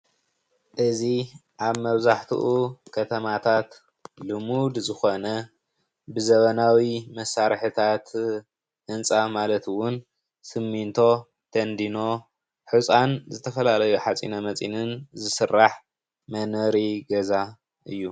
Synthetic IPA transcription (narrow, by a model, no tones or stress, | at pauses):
ʔɨziʔaβmɐβzaħt̪ʰṵʔukʰɐt̪ʰɐmat̪ʰat̪ | lɨmud̪zɨxo̞nɐ | bɨzɐβɐnawimɐsaɾħɨt̪ʰat̪ | ʔɨnt͡sʼamalɐt̪wʊn | sɨmːint̪ʰo̞ | t̪ʰɐnd̪ino̞ | ħut͡sʼanzɨt̪ʰɐfɐlalɐjuħat͡sʼḭnɐmɐt͡sʼḭnɨnzɨsɨrːaħ | mɐnɐɾiɡɐza | ʔɨjːu